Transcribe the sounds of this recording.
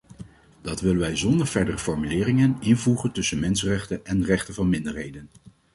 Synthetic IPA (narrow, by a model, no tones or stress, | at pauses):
d̥ɑtʋɪlənʋɛjzɔndəɹv̥ɛɹdərəfɔɹmylɪːrɪŋənɪnvuχəntɵsənmɛnsərɛχtənɛnrɛχtəvɑnmɪndəɹɦejdən